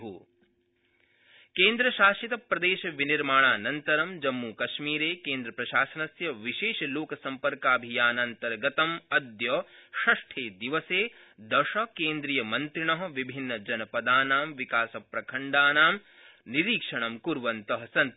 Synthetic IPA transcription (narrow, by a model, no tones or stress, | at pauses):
ṵ | keːnd̪ɾɐʃaːʃit̪ɐpɾɐd̪eːʃɐʋiniɾmaːɳaːnɐnt̪ɐɾɐmd͡ʒɐmːuːkɐʃmiːɾeːkeːnd̪ɾɐpɾɐʃaːsɐnɐsjɐʋiʃeːʃɐloːkɐsɐmpɐɾkaːbʱijaːnɐnt̪ɐɾɡɐt̪ɐmɐd̪jɐʃɐʂʈʰeːd̪iʋɐseː | d̪ɐʃɐkeːnd̪ɾijɐmɐnt̪ɾiɳɐɦɐ̆ʋibʱinːɐd͡ʒɐnɐpɐd̪aːnaːmʋikaːsɐpɾɐkʰɐɳɖaːnaːm | niɾiːkʂɐɳɐmkuɾʋɐnt̪ɐɦɐsɐn